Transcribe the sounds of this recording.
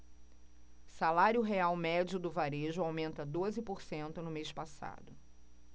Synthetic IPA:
salaɾjʊɦeawmɛd͡ʒʊd̪ʊvaɾeʒʊawmẽnt̪ɐd̪ozɪpoɾsẽnt̪ʊnʊmeʃpasa̰d̪ʊ

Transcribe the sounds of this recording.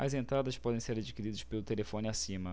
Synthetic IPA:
ɐzẽnt̪ɾad̪ɐspɔd̪ẽj̃seɾad͡ʒikiɾid̪ɐʃspelʊt̪elefõnɪasĩmɐ

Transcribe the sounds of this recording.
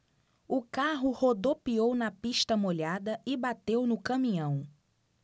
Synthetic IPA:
ʊkaɦʊhod̪opiownɐpiʃt̪ɐmoʎad̪ɐɪbat̪ewnʊkɐ̃mĩɲɐ̃w̃

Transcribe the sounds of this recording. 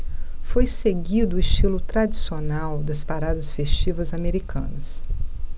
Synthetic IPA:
fojseɡid̪ʊʊiʃt͡ʃilʊt̪ɾad͡ʒisionawd̪ɐspaɾad̪ɐsfeʃt͡ʃivɐzameɾikʰɐ̃nɐs

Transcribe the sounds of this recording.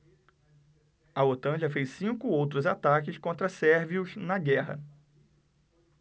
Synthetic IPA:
ɐot̪ɐ̃ʒɐfejssĩkʊowt̪ɾʊzat̪akɪskõnt̪ɾɐsɛɾviʊznɐɡɛɦɐ̰

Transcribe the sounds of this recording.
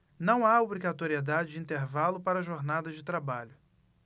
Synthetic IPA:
nɐ̃w̃aobɾiɡat̪oɾied̪ad͡ʒɪd͡ʒɪĩnt̪eɾvalʊpaɾɐʒoɾnad̪ɐd͡ʒɪt̪ɾabaʎʊ

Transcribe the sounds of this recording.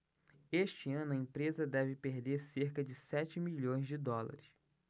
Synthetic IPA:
eʃt͡ʃɪɐ̃nʊɐẽpɾezɐd̪ɛvɪpeɾd̪eɾseɾkɐd͡ʒɪsɛt͡ʃɪmiʎõj̃zd͡ʒɪd̪ɔlɐ̰ɾɪs

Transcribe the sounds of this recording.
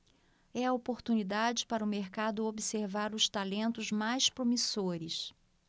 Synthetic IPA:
ɛɐopoɾt̪unid̪ad͡ʒɪpaɾɐʊmeɾkad̪ʊobiseɾvaɾʊst̪alẽnt̪ʊzmajspɾomisoɾɪs

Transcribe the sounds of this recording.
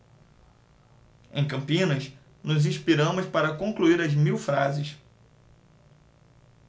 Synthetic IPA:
ẽj̃kɐ̃mpĩnɐs | nʊzĩspiɾɐ̃mʊspaɾɐkõŋkluiɾɐzmiwfɾazɪs

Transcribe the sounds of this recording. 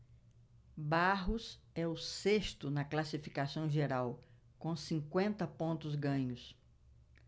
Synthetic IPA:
baɦʊs | ɛʊsest̪ʊnɐklasifikasɐ̃w̃ʒeɾaw | kõsĩkwẽnt̪ɐpõnt̪ʊzɡɐ̃ɲʊs

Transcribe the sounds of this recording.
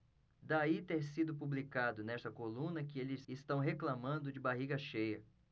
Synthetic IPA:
d̪ait̪eɾsid̪ʊp̬ublikad̪ʊnɛst̪ɐkolũnɐkɪelɪz̥ɪst̪ɐ̃w̃ɦeklamɐ̃nd̪ʊd͡ʒɪbaɦiɡɐʃejɐ

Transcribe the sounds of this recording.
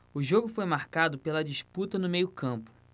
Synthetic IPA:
ʊʒoɡʊfojmaɾkad̪ʊpelɐd͡ʒiʃput̪ɐnʊmejʊkʰɐ̃mpʊ̥

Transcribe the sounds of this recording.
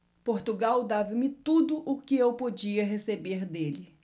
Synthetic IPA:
poɾt̪uɡawd̪avɐmɪt̪ud̪ʊʔʊkɪewpod͡ʒiɐɦesebeɾd̪elɪ

